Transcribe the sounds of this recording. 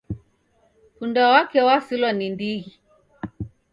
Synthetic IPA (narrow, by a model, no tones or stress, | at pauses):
kundawakɛwasilɔnindiɣi